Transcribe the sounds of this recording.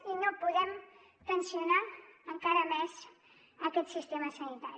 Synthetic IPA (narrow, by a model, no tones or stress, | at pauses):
inopuðɛm | k̪ənsjunaəŋkaɾəmɛz | əkɛt̪sist̪eməsənit̪aɾi